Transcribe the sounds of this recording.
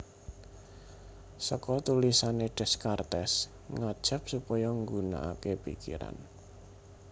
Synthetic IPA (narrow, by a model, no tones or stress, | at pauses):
səkɔt̪ulisaneɖ̥ɛ̤skart̪ɛs | ŋad̥ʒ̥ə̤p̚supɔjɔŋɡuna̰ʔakepḭkḭɾa̰n